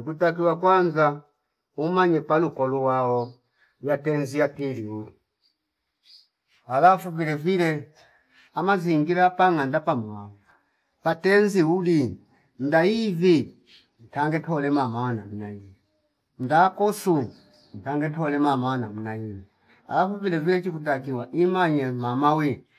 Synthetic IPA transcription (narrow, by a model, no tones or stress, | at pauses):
ukutak̬iwakwanza | umaɲɛpalukɔluwaɔ | jatɛnzijatiliu | alafuvilɛvilɛ | amaziŋɡilapaŋandapamuau | patɛnziuli | n̩daivi | n̩taŋɡɛtɔlɛmamawanamunaii | m̩dakɔsu | n̩taŋɡɛtɔlɛmamawanamunaivi | a̰lafuvilɛvilɛt͡ʃikutak̬iwaʔimaɲɛmamawɛ